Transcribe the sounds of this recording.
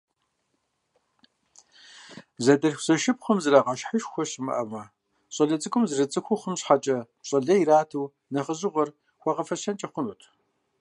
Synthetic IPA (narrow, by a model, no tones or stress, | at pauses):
zɐdɐɬxzɐʃɪp̚χəmzɨraːqɑʃħəʃxʷɔɕɪmɐ̰ʔɐmɐ | ɕʼɐɮɐt͡sʼɨkʷʰʼʊmzrɨt͡sʼɨxʷʊχəmɕħat͡ʃʼɐ | ɕʼɐɮɐjiɾaːtʰɨw | nɐχəzɨʁɐr | xʷɑʁɐfɐɕɐnt͡ʃʼɐχʷʊnutʰ